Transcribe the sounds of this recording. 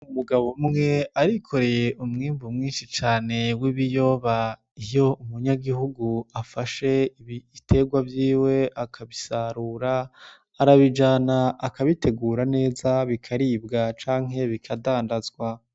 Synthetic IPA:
umuɡaβo̞mŋe̞aɾikʰo̞ɾe̞jeʔumŋiːmvumŋiːnʃit͡ʃaːne̞wiβijo̞ːβa | ijo̞umuɲaɡihuɡuafaʃe̞itʰe̞ɡwavjiːwe̞ʔakʰaβisaɾuːɾaː | ɾaβid͡ʒaːnaːkaβitʰe̞ɡuːɾane̞ːzaβikʰaɾibɡat͡ʃaːŋɦe̞βikʰadaːndazɡwa

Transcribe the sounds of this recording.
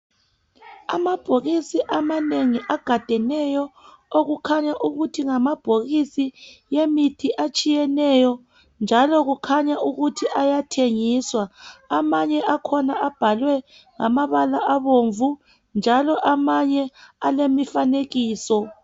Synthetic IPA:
amab̥ʱoɣisiʔamaneŋiʔaɡ̥ʱad̥ʱɛnɛjɔ | oɣukʰaɲaʔuɣutʰiŋamab̥ʱoɣisijemitʰiʔat͡ʃʼijɛnɛjɔ | nd͡ʒʱalɔɣukʰaɲaʔuɣutʰiʔajatʰeŋiswaːmaɲɛʔakʰɔnaab̥ʱalwɛ | ŋamaβalaʔaβoɱvu | nd͡ʒʱalɔʔamaɲɛalemifaneɣiːsɔ

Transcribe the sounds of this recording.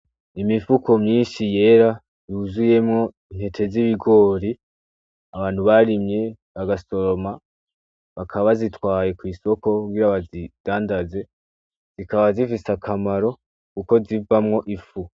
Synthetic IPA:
imifuko̞mɲiːnʃije̞ːɾa | juzuje̞mŋo̞ | in̥he̞tʰe̞ziβiɡo̞ːɾi | aβaːn̥huβaɾimɲe̞ | βaɡaso̞ɾo̞ma | βakʰaβazitwaːje̞kwiːso̞ko̞uɡiːɾaβazid̥aːndaze̞ | z̥ikaβazifisakʰamaɾo̞ | kuko̞zivamŋo̞ʔifu

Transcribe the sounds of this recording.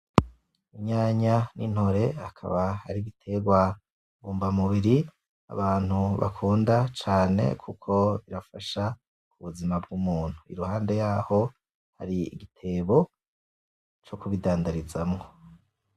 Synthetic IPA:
iɲaːɲanʔin̥hoɾe̞akʰa̰βahaɾiɡitʰe̞ɡwa | βuːmvamuβiɾi | a̰βaːn̥huβa̰kʰuːndat͡ʃaːne̞̰kʰukʰo̞βiɾafaʃa | kuβuzimab̚ɡumuːn̥huḭɾuhaːnde̞jaːho̞ | ha̰ɾiḭɡitʰe̞ːβo̞ | t͡ʃokuβidaːndaɾizamŋo

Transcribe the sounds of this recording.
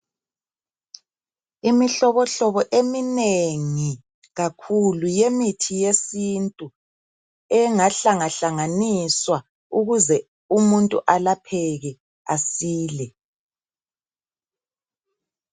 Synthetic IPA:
imiɬɔβɔɬɔβɔʔemineŋi | ɣakʰulujemitʰijesintʼu | ɛŋaɬaŋaɬaŋaniswa | uɣuzɛ | umuntʼuʔalapʰɛɣɛ | asiːlɛ

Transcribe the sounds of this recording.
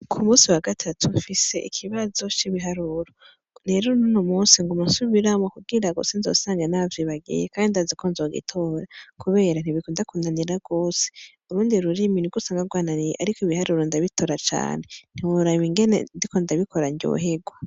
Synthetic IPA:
kʰumuːsiwaɡatʰatʰufise̞ʔḭkʰiβazo̞t͡ʃiβiɦaɾuɾo | neɾuɾonunomuːnsiŋɡomasuβiɾamokuɡiɾaɡo̰senzo̰ːsaːŋɡanaviβaɡḭjekandindazikʰonzoɡḭtʰoːɾakʰuβe̞ːɾan̥iβikoːndakunaniɾaɡ̥o̞ːse̥ | uɾuːndiɾuɾiminiɡusaːŋɡaɡwaːnanijeʔaɾikoiβihaɾuɾondaβitʰo̞ɾat͡ʃa̰ːnen̥iwuɾaβiŋɡe̞nḛndikondaβikʰo̞ɾaɲɟo̰ɦeɡwa

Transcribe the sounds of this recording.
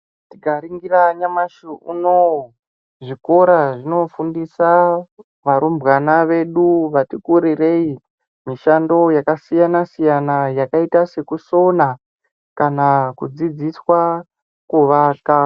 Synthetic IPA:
tiɡaɾiŋɡiraɲamaʃiʔṵno | ʐiko̞ɾaʐino̞fundisa | ʋaɾumbɣanaʋe̞ɗuʋatikuɾire̞i | miʃando̞jakasijanasijanajakaitase̞kuso̞na | kanakud͡zid͡ziswa | kuʋaːka

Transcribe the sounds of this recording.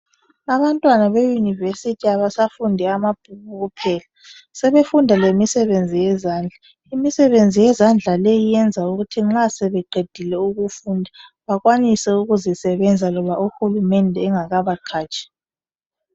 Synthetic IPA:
aβantʼwanaβejunivesitʰiaβasafundʱɛamab̥ʱuβuɣupʰɛːla | sɛβefundʱalemisɛβend͡zʱijɛzaːnd͡ɮʱa | imisɛβend͡zʱijɛzand͡ɮʱalɛjijɛnd͡zʱauɣutʰiŋ͡ǁasɛβɛɡ͡ǃʱed̥ʱilɛuɣufundʱaβaɣwanisɛuɣuzisɛβɛnd͡zʱalɔβaʔuxulumɛndʱɛːŋaɣaβaǃʰaːt͡ʃʼḁ

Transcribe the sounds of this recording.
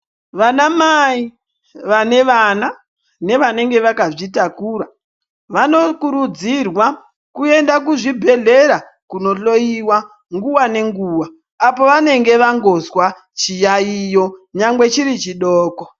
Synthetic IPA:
ʋanamai | ʋane̞ʋana | ne̞ʋane̞ŋɡe̞ʋakaʐitakuɾa | ʋano̞kuɾud͡zirwa | kue̞ndakuʐibʱe̞ɮe̞ɾa | kuno̞ɬo̞iwa | ŋɡuwane̞ŋɡuːwaː | po̞ʋane̞ŋɡe̞ʋaŋɡo̞zwa | t͡ʃijaijo̞ɲaŋɡwe̞t͡ʃiɾit͡ʃiɗoːko

